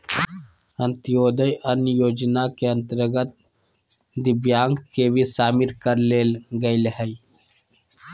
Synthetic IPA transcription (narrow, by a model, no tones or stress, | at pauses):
ə̃nt̪ijoːd̪əjʔənjoːd͡ʒnakeə̃nt̪əɾɡət̪̚ | d̪ɪbjaːŋɡkebisaːmiɾkəɾleːlɡəilɦəi